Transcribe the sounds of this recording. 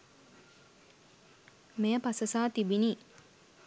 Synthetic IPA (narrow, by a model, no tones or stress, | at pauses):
mejəpasəsaːt̪ibiniː